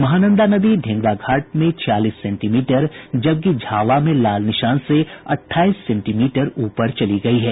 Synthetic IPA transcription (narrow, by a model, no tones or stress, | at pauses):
mɐɦaːnə̃nd̪anɐbiɖ̪ʱɪ̃ŋɡɽaɡʱaːʈ̚mẽt͡ʃʰjaːliːsːɛ̃ːɳʈimiːʈəɾd͡ʒɐb̚k̬id͡ʒʱaːʋamẽlaːlnɪʃaːnseɐʈʰːaːiːsːɛ̃ɳʈiːmiːʈəɾuːpəɾt͡ʃɐliɡɐiɦɛː